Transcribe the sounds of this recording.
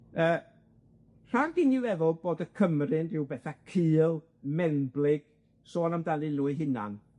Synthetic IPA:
əː | r̥aɡɪnɪwɛvɔboːdəkʰəmrɨnrɪwbɛθakʰɨːlˠ | mɛnblˠɪɡ̥ | soːnamdanɨluːɨɦɪna̰n

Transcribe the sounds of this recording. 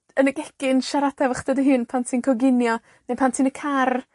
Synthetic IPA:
ənəɡɛkɪnʃaɾadɛvəχd̥ədəɦɨːnpʰantʰiːnkʰɔɡɪnjɔ | nepʰantʰiːnəkʰar

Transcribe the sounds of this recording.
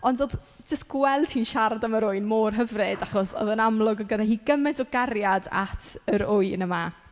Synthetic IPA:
ɔndoːð | d͡ʒəstɡ̥wɛlˠd̥hiːnʃardaməɾʊɨnmoːrɦəvrɨdaχɔsɔ̰ðənamlˠʊɡɔɡədahiːɡəmɛdɔɡaɾjada̰tʰəɾʊɨnəma

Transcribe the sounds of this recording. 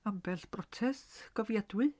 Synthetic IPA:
ambɛɬb̥rɔtʰɛsɡ̥ɔvjadwɨ

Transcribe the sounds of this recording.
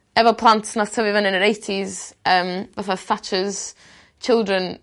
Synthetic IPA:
ɛvəpʰl̥ˠãntsnastʰəvivənɪ̃nəɾeɪtʰizəmvɛθəθat͡ʃəz̥ | t͡ʃʰɪlˠdɹə̃n

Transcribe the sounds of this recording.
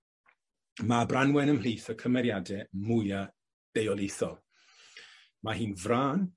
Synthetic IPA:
mabranwɛnəml̥iːθəkʰəmɛɾjadɛmʊja | d̥ejɔlˠɪθɔlˠ | mahiːnvraːn

